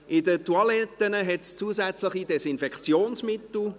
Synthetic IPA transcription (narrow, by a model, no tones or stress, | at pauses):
ʔɪdətuɑlɛt̪ːənəɦɛtst͡suəzæt͡slɪχidɛsɪnfɛkχt͡sjoːnsmɪt̪l̩